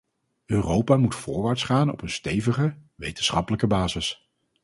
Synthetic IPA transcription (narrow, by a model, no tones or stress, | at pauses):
ʔøːrowpaːmutfʊːɹʋaːɹtsχaːnɔ̰pənstejvəχəʋejtənsχɑpələkəbaːzɪs